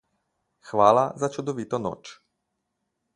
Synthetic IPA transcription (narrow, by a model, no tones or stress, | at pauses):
xʋaːlazat͡ʃud̪oʋit̪ono̰ːt͡ʃ